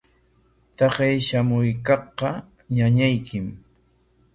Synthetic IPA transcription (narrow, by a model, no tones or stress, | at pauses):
t̪ɑɢejʃamʊjkɑχqɑ | ɲaɲajkʰɪm